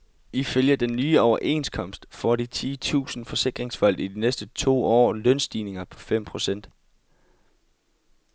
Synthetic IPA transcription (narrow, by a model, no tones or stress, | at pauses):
iføljɐd̥enːyːɒʊɐʔe̝̰ːnskʰɒ̽m̰sd̥fɒɾit͡sʰiːt͡sʰṵːsn̩fɒ̽se̝ɡ̥ʁeŋsfæl̰d̥id̥inesd̥ət͡sʰo̝̰ːɒ̰ːlœnsd̥iːne̝ŋɐpʰɒ̽fem̰pʰʁo̝sen̰d̥